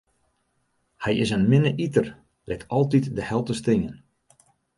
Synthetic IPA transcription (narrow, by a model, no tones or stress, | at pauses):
hɛjɪsənmɪnəʔitər | lɪktɔlˠtitdəhɛlˠtəstɪŋən